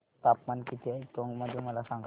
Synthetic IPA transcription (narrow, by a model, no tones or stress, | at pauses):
t̪apmankit̪ʰekõŋɡməd̪ʱːjeməlasãŋɡʱ